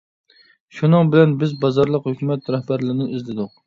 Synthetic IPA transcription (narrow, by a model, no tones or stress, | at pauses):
ʃunɨŋbɪlɛnbɪzbɑzɑɾlˠəqhøkʲymɛt̪ɾɛhbæɾlɪɾɪnɪizlɪd̪ʊq̚